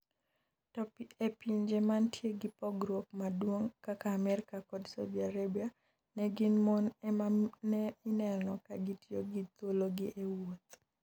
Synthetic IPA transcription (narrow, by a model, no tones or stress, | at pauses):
tɔpepiɲd͡ʒemantjeɡɪpɔɡɾok̚madwoŋkakaːmɛɾɪkakɔdsadiaɾabia | nɛɡɪnmɔnɛmanɛɪnɛlnɔkaɡɪtjoɡɪt̪oloɡɪʔewot̪